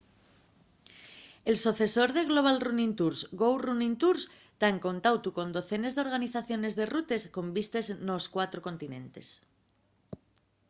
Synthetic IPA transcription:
e̞lsuθe̞so̞ɾð̞e̞ɣlo̞β̞alrunĩnt̪uɾsɡowrunĩnt̪uɾs | t̪aŋko̞nt̪awt̪uko̞nd̪o̞θe̞ne̞zðeo̞ɾɣaniθaθjo̞ne̞zðe̞rut̪e̞sko̞mbist̪e̞zno̞skwat̪ɾoko̞nt̪inẽ̞̰nt̪e̞̰s

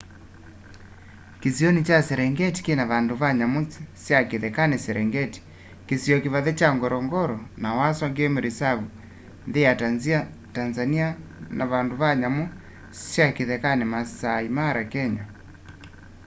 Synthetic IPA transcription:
kesiɔnit͡ʃasɛɾɛŋɡɛti̥kenaβandoβaɲamosisjakeðɛkanesɛɾɛŋɡɛti̥ | kesiɔkeβaðɛt͡ʃaŋɡɔɾɔŋɡɔɾɔnawaswaŋɡemeɾesaβu | nðeataza | tanzanianaβandoβaɲamo | sjakeðɛkanemasaimaɾakɛɲa

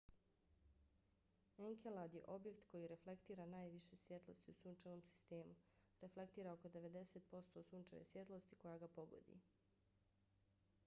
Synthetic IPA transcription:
eŋkʰelad̪je̞̰ʔo̞bje̞kt̪ko̞jiɾe̞fle̞kt̪iːɾanaːjʋiʃe̞sʋje̞t̪lo̞̰st̪iusuːnt͡ʃanomsi̥st̪e̞ːmuɾefle̞kt̪iːɾaoko̞d̪e̞ʋe̞d̪e̞se̞t̪̚po̞st̪o̞suːnt͡ʃa̰ʋḛsʋje̞t̪lˠo̞st̪i̥ko̞jaɡapo̞ɡo̰d̪ḭ

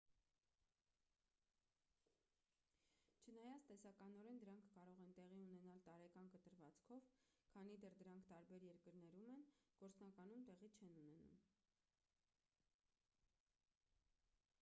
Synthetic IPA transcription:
t͡ʃʰənɑjɑt͡sʰt̪ɛsɑkɑnɔɾɛnd̪əɾɑŋkʰːɑɾɔʁɛnt̪ɛʁiunɛnɑlt̪ɑɾɛkɑnkət̪əɾvɑt͡skʰɔvkʰɑnid̪ɛrd̪əɾɑŋkʰt̪ɑɾbɛɾjɛɾkəɾnɛɾumɛnɡ̥ɔɾt͡snɑkɑnumt̪ɛʁit͡ʃʰɛnunɛnṵm

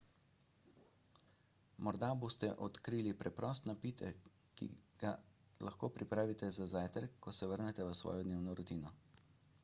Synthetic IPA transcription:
mɔɾd̪abost̪ɛʔɔt̪kɾilipɾɛpɾɔst̪napit̪ʰɛ | kḭɡ̥a | laxkoːpɾipɾaːʋit̪ɛzazaːjt̪ɛɾkːɔsɛʋəɾnɛt̪ɛʋəsʋɔ̰ːjɔd̪neːwnɔɾɔt̪iːnɔ

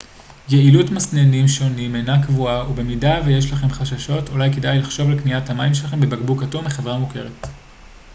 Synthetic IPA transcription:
jeilutmasnenimʃonimenakvuaube̞midaveje̞ʃ̬laχe̞mχaʃaʃo̞tulajke̞dajlaχʃo̞vlekniathamajimʃ̬elaχe̞mbebaɡbukatumeχe̞vʁamuke̞ʁ̞et

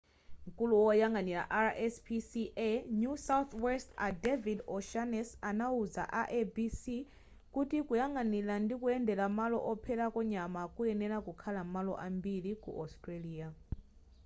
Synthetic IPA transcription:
ŋ̩kʼuluwɔjaŋɡanila̰ʔaɾʔɛspʰisiʔɛnjusawt̪wɛstadevidɔʃanɛsanauza̰ʔaʔebisi | kutikujaŋɡanilandikuɛndɛlamalɔʔɔpʰɛlakɔɲamakuɛnɛlakukʰalamalɔ̰ʔambilikṵʔɔstʼɾeliːa

